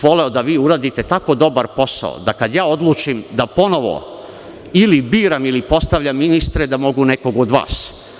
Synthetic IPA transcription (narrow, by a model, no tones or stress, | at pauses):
ʋo̞le̞od̪aʋiːuɾaːd̪it̪e̞t̪ako̞d̪o̞baɾpo̞sa̰o̰d̪akad̪jaːo̞d̪lˠuːt͡ʃimd̪apo̞no̞ʋo̞̰ | ilibiːɾamilipo̞st̪aʋʎamːinist̪ɾed̪amo̞ɡuneko̞ɡod̪ʋa̰ːs